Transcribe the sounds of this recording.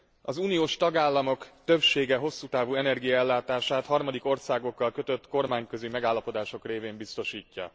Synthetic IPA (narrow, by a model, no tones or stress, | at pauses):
ɒzuːnijoːʃt̪ɒɡaːlːɒmo̞kt̪ø̞pʃeːɡɛɦo̞sːuːt̪aːvuːɛnɛrɡijɒɛlːaːt̪aːʃaːt̪hɒrmɒd̪iko̞rsaːɡo̞kːɒlkø̞t̪ø̞t̪ːko̞rmaːɲkø̞zimɛɡaːlːɒpo̞d̪aːʃo̞kreːveːmbist̪o̞ʃiːcːɒ̰